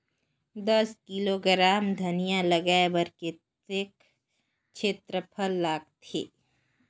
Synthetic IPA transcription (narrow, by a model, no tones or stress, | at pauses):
d̪ɐskiloɡɾaːmd̪ʱɐnijãlɐɡaːebɐɾket̪ek | t͡ʃʰeːt̪ɾəpʰəlːaːɡ̚t̪ʰḛː